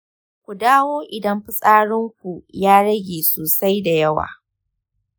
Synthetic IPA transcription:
kʷu˨daː˦woː˦ʔɪ˨dɐ˦mɸi˦sʼaː˦ɽɪ˦ŋkʷu˨jaː˦ɽɐ˦ɡʲeː˨soː˨sa˦jda˨jɐ˦wa̰ː˨

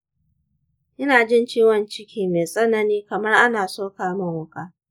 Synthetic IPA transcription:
ʔɪ˦naː˨d͡ʒɪ˦nt͡ʃiː˦wɔ˨nt͡ʃɪ˦kʲiː˦meː˨sʼɐ˦nɐ˦niː˦kɐ˨mɐ˦rʔa˦naː˨soː˦kaː˦mɐ˦˨ŋwʊ˦kaː˦

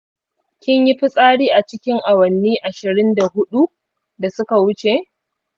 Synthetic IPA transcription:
kʲɪ˦ɲji˦ɸi˦sʼaː˦ɽiː˦ʔa˨t͡ʃɪ˦kʲɪ˦ŋʔa˨wɐ˨nːiː˦ʔa˨ʃɪ˨ɾɪ˦nda˨ɦʊ˦ɗu˦ | da˨sʊ˦ka˨wʊ˦t͡ʃe˨

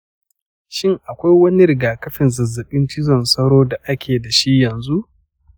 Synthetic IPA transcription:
ʃɪ˦˨ŋʔa˨kʷa˦jwɐ˦ni˦ɾɪ˨ɡaː˨kɐ˦ɸɪ˨nzɐ˨zːɐ˨ɓɪ˦nt͡ʃɪ˦zɔ˨nsɐ˦ɽoː˦da˨ʔa˦kʲʰeː˨da˨ʃi˦jɐ˨nzu˦ʔ

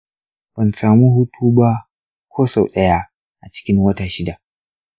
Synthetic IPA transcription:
b̥ɐ˨nsaː˨mu˦ɦʊ˦tʰuː˦ba˦ | kʷʰoː˦sa˨wɗɐ˦ja˦ | ʔa˨t͡ʃɪ̥˦kʲɪ˦ŋwɐ˦ta˨ʃɪ˦da˨ʔ

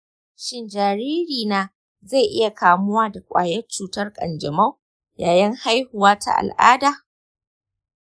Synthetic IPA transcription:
ʃɪ˦nd͡ʒaː˨ɾiː˦ɾiː˨naː˦ | za˦˨ʔɪ˦ja˨kaː˨mʊ˦waː˦da˨kʷʼa̰ː˨jɛ˦t͡ʃuː˨tɐ˦rkʼɐ̰˨nd͡ʒɐ˨ma˦w | jaː˨jɪ˦ŋha˦jhʊ˨waː˦ta̰˨ʔa̰˨lʔa̰ː˦daː˨

